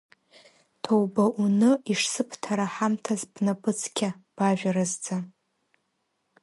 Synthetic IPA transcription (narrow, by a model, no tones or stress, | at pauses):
tʰowbaʔunɨiʂsɨpʰtʰaɾaħamtʰazbnapʼɨt͡sʰkʲʰab̥aʒʲᶣaɾazd͡za